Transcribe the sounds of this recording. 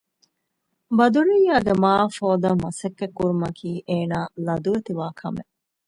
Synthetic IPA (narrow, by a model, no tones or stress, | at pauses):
bɐd̪uɾijːaːɡemaːfoːd̪ɐmɐsɐkːekːuɾumɐkʰiːʔeːnaːlɐd̪uʋet̪iʋaːkʰɐmḛ